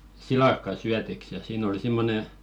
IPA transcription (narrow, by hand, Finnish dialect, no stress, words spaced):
silɑkːɑ syætiks jɑ siːn oli simːone